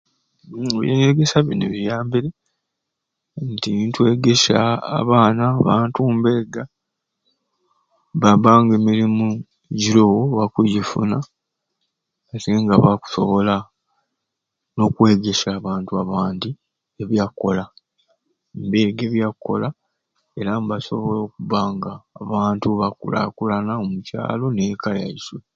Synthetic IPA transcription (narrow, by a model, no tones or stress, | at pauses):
eβjeːɲeɾeɡesaβineβijaːmbiɾe | ntintwe̞ːɡeʃa̰ːβaːnaβaːntumbe̞ːɡa | βabaːŋɡemiɾimu | ɟiɾo̞woβakujifṵna | teŋɡaβaku̥so̞̰βo̞la | no̞kwe̞ːɡesaːβaːntuaβaːndi | eβjakːo̞la | mbeːɡeβjakːo̞̰la | e̞ɾamβaso̞̰βo̞lo̞ːkuβaːŋɡaːβaːntuβakṵla̰kulanaomuca̰ːlo̞nekalja̰iswe